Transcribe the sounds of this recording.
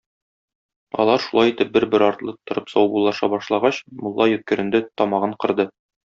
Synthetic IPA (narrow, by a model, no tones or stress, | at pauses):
ɒ̰lˠɑɾʃulˠɑjit̪ɘp̚bɘɾbɘɾɒɾt̪lˠɤt̪ŏɾɤpsɒwbulˠːɑʃɑbɒʃlˠɑʁɑɕmŭlˠːɑjɵ̆t̪̚kɘ̆ɾɘ̆nd̪ɘt̪ɒmɑʁɤɴqɤ̆ɾd̪ɤ